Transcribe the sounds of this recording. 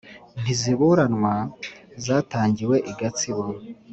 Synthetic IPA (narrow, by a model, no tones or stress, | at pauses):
n̥iziβuɾanŋwazaːtaːɲɟiwe̞ʔiɡat͡siβo